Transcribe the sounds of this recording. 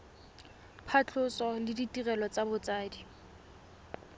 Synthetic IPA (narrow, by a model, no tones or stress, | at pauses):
pʰat͡ɬʰʊsɔlɪditirɛlɔt͡sabʊt͡saːdi